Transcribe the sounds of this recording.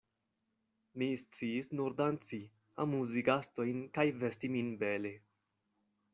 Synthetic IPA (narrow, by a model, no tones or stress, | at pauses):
mist͡siːsnuɾdant͡si | a̰muziɡasto̞jnkajvestiminbele